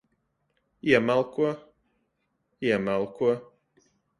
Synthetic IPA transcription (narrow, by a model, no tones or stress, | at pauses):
iɛmalˠkuɔ | iɛmalˠkuɔ